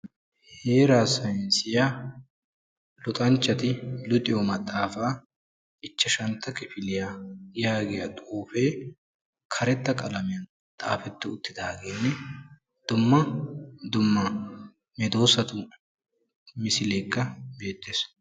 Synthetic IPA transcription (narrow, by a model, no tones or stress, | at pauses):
he̞ːɾaːsɐjɪnsɪja | lʊt̪ʼɐnt͡ʃːɐt̪ɪlʊt̪ʼɪjomɐt̪ʼːaːfaː | ʔɪt͡ʃːɐʃɐnt̪ːɐkʼɪfɪlɪjajaːɡɛjɐt̪ʼoːfeː | kʰɐɾɛt̪ːɐkʼɐlɐmɪjɐn | t̪ʼaːfɛt̪ːʊʊt̪ːɪd̪aːɡeːnːɛ | d̪̥ʊmːɐd̪ʊmːɐ | mɛd̪o̞ːsɐt̪ʊ | mɪsɪle̞ːkːɐbe̞ːt̪ːeːs